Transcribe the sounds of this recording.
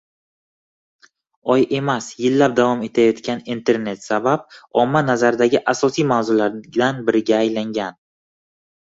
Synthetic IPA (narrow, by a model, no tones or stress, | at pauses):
ɒje̞masjɪlːap̚d̪avɒme̞t̪ʰajɒt̪kʲanint̪ʰe̞ɾne̞t̪sabap̚ɒmːanazaɾɪd̪aɡʲɪʔasɒsijmawzʊlaɾd̪anbɪɾɪɡʲaːjlaŋɡʲan